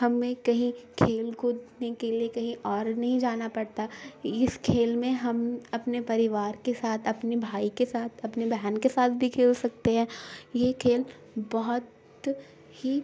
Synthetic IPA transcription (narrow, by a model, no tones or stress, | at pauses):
ɦɐmːẽkɐɦĩkʰeːlɡʊd̪nekeliekɐɦĩʔɔːɾnɐɦĩd͡ʒaːnapɐɽt̪aɪskʰeːlmẽɦɐmɐpnepɐɾɪʋaːɾkesaːt̪ʰɐpnebʱaːikesaːt̪ʰɐpnebʱɛːnkesaːt̪̚ʰbʱikʰeːlsɐk̚t̪eɦɛ̃ːjekʰeːl | bɔɦʊt̪ | hi